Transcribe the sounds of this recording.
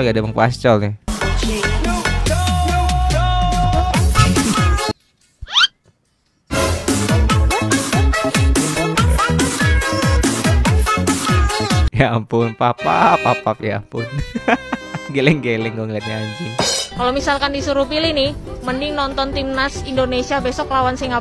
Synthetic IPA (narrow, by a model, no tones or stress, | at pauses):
ɡadaməŋpast͡ʃɔlnɪ | japʊnpapapapapja̰pʊ̰n | ɡelɛŋɡelɛŋɡoŋɡat̪̚ɲaɲd͡ʒɪŋkalomisalkandisuɾupilinihmənɪŋnɔnt̪ɔnt̪imnasindonesiabesɔklawansiŋa